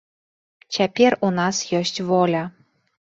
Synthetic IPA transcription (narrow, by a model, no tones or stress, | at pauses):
t͡ɕʲæpʲerunɑsjosʲtʲvolʲa